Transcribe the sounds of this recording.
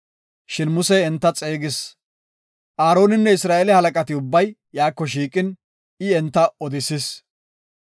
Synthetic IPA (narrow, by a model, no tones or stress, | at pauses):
ʃɪnmʊsɛɛnt̪ːɐt͡sʼeːɡɪs | ʔaːɾo̞ːnɪnːɛɪsɾaːʔɛlɛhɐlɐkʼɐt̪ɪʊbːɐjjaːkːɔʃiːkʼɪn | ɪɛnt̪ːɐɔd̪ɪsɪs